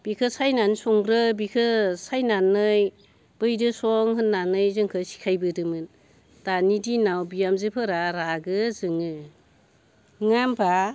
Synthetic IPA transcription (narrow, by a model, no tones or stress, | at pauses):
b̥ikʰɯsajnansɔŋɾɯbikʰɯsajnanːɯj | b̥ɯjdɯsɔŋɦɯnːanɯjzɯŋkʰɯsi̥kʰajbɯdɯmɯn | d̥anidinawbijamzepʰɯɾaɾaɡɯzɯŋɯ | ŋampʰa